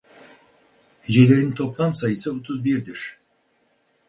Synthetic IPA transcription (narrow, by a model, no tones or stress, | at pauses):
ʒele̞ɾd̪ɪnt̪ʰo̞plˠɑmsɑjəsəot̪ʰʊzbiɾd̪ɪɾ